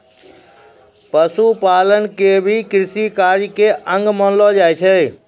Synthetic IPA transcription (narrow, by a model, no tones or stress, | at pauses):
pəsupalənkebʱikɾɪsikaɾjkeʔə̃ŋɡmənlɔd͡ʒajt͡ʃʰɛ